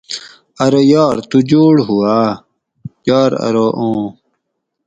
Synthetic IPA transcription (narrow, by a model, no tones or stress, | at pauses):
ɐɾojaːɾt̪ud͡ʑoːɽɦuaː | jaːɾɐ̰ɾoʔõː